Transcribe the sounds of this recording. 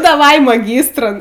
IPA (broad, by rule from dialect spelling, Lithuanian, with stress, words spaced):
dɐˈʋɐɪ mɐˈɡʲiːstrʊn